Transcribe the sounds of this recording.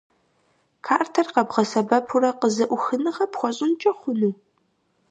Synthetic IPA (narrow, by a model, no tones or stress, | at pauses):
kʰaːrtʰɐrqɐbʁɐsɐbɐpʰʊrɐqəzɐʔʷʊxɨnɨʁɐpxʷɔɕʼɪnt͡ʃʼɐχʷʊnɨ